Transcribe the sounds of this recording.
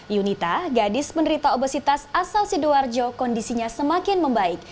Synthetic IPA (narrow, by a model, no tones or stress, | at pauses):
junit̪aɡadɪspəndəɾit̪aobəsit̪asasalsiduard͡ʒokɔndisiɲasəmakɪnməmbaɪk̚